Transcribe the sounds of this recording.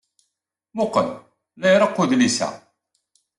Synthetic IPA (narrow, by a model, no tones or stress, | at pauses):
mʊqəm | læjɾˤəqːuðlisæ̰